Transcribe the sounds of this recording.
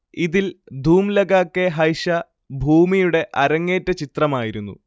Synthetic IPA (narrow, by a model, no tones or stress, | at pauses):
iðild̪ʱuːmlɐɡaːkːeɦɐjɕɐ | bʱuːmijuɽe̞ʔɐɾɐŋːe̞ːtːɐt͡ɕit̪rɐmaːjiɾunːṵ